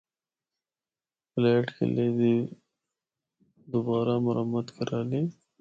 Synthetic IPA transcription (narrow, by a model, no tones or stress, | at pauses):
fleːʈkḛled̪i | d̪ʊbɑːɾamʊɾamat̪kʰeɾali